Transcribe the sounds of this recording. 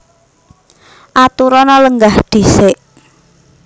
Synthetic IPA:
ʔat̪uɾɔnɔləŋɡahɖ̪̥i̤sɪʔ

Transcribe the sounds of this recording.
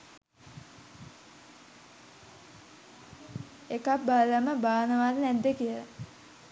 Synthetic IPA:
ekabːaləməbaːnəʋaːd̪ənæd̪ːəkijələ

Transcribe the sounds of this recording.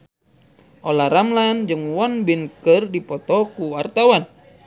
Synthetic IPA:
ʔɔlaɾamland͡ʒɨŋwɔnbinkɨrdipɔt̪ɔkuwart̪awan

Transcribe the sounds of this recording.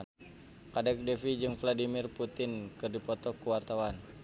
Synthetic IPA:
kadɛk̚dɛfid͡ʒɨŋfladimɪrput̪ɪnkɨrdipɔt̪ɔkːuwart̪awan

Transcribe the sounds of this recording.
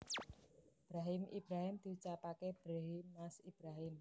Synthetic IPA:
b̥ɾaɦɪmʔḭb̥ɾaɦɪmd̪̥i̤t͡ʃapakeb̥ɾaɦimːasib̥ɾaɦɪm

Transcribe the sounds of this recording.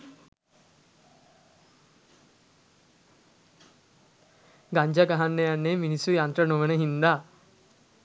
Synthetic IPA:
ɡaɲd͡ʒaɡaɦanːejanːeːminisujant̪rənoʋənəɦind̪a

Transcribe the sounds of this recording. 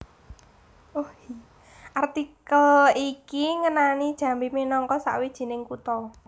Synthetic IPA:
uhi | ʔart̪ikəlikiŋənanid̥ʒ̥ä̤mbiminɔŋkɔsa̰ʔwid̥ʒ̥i̤nɪŋkut̪ɔ

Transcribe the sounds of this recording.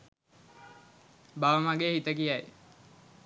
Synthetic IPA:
baʋəmaɡeɦit̪əkijaj

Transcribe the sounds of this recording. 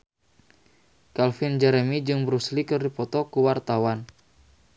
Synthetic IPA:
kalfind͡ʒɛɾɛmid͡ʒɨŋbəɾuslikɨrdipɔt̪ɔkuwart̪awan

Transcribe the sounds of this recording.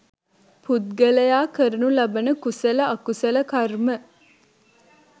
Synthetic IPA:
pud̪̚ɡɐlɐjaːkəɾnulɐbɐnəkusɐlɐɐkusɐlɐkɐrmə

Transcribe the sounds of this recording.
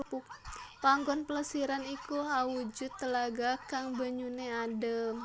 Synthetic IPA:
puk̚paŋɡɔnpələsiɾanikuɦawud͡ʒut̪ːəlaɡakaŋbəɲuneadə

